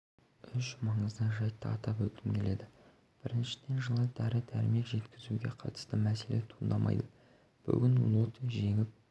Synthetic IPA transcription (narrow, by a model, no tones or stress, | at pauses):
ʏʃmɑɴəzd̪ɑʒɑjt̪ːəɑt̪ɑpwɵlt̪ɪmkʲʰe̞le̞d̪ɪ | b̥ɪɾɪnʃɪ̥d̪̥e̞nʒəlˠəd̪æɾɪd̪æɾɪme̞kʒe̞t̪kʲɪzuɡʲe̞̰qʰɑ̰t̪ə̥st̪əmæse̞let̪ʰuənd̪ɑmʔɑ̰jd̪ə | b̥ʏ̰ɡʲɪnw̰lˠot̪əʒe̞ɡʲɪp̚